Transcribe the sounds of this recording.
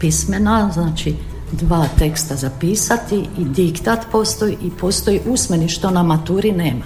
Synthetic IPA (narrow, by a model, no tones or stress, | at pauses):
pismenaznaːt͡ʃi | d̪ʋaːt̪e̞kst̪azapiːsat̪iid̪ikt̪at̪po̞st̪o̞jiʔipo̞ːst̪ojiʔusmeniʃt̪o̞namat̪uːɾineːma